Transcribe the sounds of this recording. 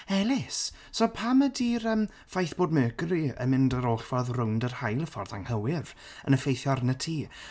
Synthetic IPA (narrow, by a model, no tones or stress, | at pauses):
ɛlˠɪs | sɔpʰamədiːɾəːm | fajθb̥oːd̚møːɡriə̰mɪndəɾoɬvɔðrʊwndərhajlˠəfɔrðaŋhəwɪv | ə̰nəfejθjɔɾənətʰiː